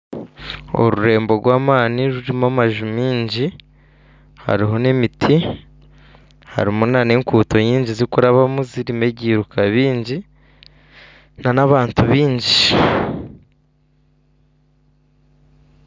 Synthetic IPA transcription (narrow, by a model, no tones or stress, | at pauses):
o̰ɾuɾe̞ːmbo̞ɾɡwaːmaːniɾuɾimamaʒumiːɲɟi | ha̰ɾiɦo̞ne̞mitʰi | ha̰ɾimunane̞ŋkuːto̞ɲiːɲɟizikuɾaβamuziɾime̞ɟiːɾukaβiːɲɟi | nanaβaːntuβiːɲɟi